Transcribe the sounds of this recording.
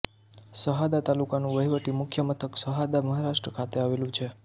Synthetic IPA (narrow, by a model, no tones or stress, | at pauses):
səɦad̪at̪alukanũʋəɦiʋəʈimʊkʰjəmət̪ʰəksəɦad̪aməɦaɾaʃʈɾəkʰat̪eaʋelũt͡ʃʰe